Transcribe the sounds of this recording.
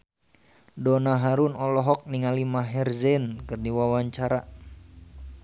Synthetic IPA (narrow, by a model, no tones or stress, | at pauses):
dɔnaɦaɾunɔlɔɦɔk̚niŋalimaɦɛrzɛnkɨrdiwawaɲt͡ʃaɾa